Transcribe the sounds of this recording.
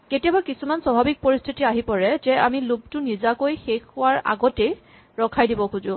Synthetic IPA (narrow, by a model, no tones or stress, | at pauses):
ketijabakisumanswabʱabik̚poɹistʰitiaɦipɔɹɛzɛamilub̚tʊnizakojxexʊwaɹa̰ɡɔtej | ɹɔkʰajdibɔkʰuzʊ